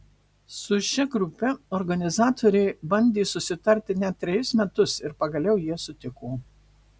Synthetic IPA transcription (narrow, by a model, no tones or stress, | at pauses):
sʊʃʲɛɡɾʊpʲɛɔɾɡɐnʲɪzɑːt̪ʰoːɾʲɛɪbɐnʲd̪ʲeːsʊsʲɪt̪ɐɾʲt̪ʲɪnʲɛt̪̚ʲːɾʲɛjʊsmʲɛt̪ʊsɪɾpɐɡɐlʲɛʊjiɛsʊt̪ʲɪkoː